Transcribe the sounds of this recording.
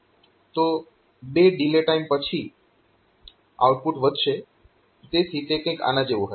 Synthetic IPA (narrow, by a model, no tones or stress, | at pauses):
t̪o | beɖileʈaimpət͡ʃʰi | a̰wʈ̚puʈʋəd̪ʱʃe | t̪esit̪ekə̃j̃ka̰nãd͡ʒeʋũɦə